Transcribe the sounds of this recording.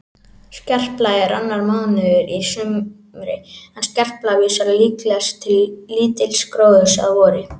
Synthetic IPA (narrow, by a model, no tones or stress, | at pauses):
scɛr̥plaːjɪɾanːaɾmaðnʏʏɾisʏm | ɾɪhanscɛr̥plaviːsaɾaliːklɛst̪ʰːɪlːiːt̪ɪlskɾoːwðʏsa̰ðvɔːɾɪ